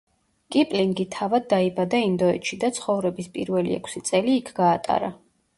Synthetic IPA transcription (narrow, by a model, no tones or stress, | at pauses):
kʼipʼliŋɡit̪ʰavad̪̚ːaibad̪aind̪ɔɛt̪ʃid̪at̪sʰχɔvɾɛbispʼḭɾvɛlḭɛ̰kʰsit̪sʼɛliːkʰɡ̥aːt̪ʼa̰ɾa